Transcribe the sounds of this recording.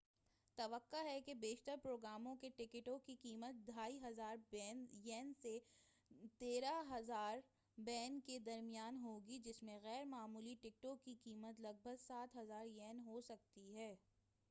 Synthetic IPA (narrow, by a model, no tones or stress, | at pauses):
t̪ɐʋəqːaɦɛkebeːʃt̪əɾpɾoːɡɾaːmõkeʈɪkɪʈõkikiːmət̪̚d̪ʱaːiɦɐzaːɾɛːnjɛːnse | t̪eːɾaɦɐzaːɾ | bɛːnked̪ɐɾmijaːnɦoːɡid͡ʒɪsmẽɣɛːɾmaːmuːliʈɪk̚ʈõkikiːmət̪lɐɡ̚bʱəɡsaːt̪ɦɐzaːɾjɛːnɦosɐk̚t̪iɦɛː